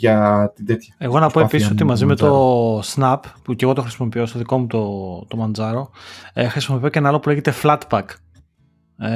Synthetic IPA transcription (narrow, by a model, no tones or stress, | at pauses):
ɐt̪ind̪et̪çɐe̞ɣo̞nɐpo̞episisot̪imɐzime̞t̪o̞snɐppuceɣot̪o̞xɾisimo̞pio̞st̪oðiko̞mut̪ot̪o̞mɐnzɐɾo̞exɾisimopio̞cenɐlo̞pule̞ɣet̪e̞flɐt̪bɐk